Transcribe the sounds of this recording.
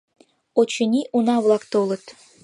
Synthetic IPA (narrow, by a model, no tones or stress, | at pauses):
ot͡ɕə̆nʲiʔunɑβlˠɑkt̪olɤə̆t̪